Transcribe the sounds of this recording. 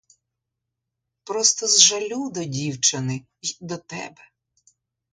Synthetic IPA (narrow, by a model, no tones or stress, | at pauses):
pɾɔst̪ɔzʒɐlʲud̪ɔdʲiwt͡ʃɐnɪ | d̪ɔt̪ɛ̰bɛ